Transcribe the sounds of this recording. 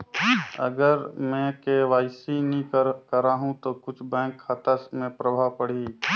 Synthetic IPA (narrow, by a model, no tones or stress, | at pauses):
ə̰ɡəɾmɛ̃ːkeʋaːɪsinĩkəɾaːɦũt̪okʊt͡ʃʰbɛ̃ːkʰːat̪əsmẽpɾəbʱaːʋpəɽ̤i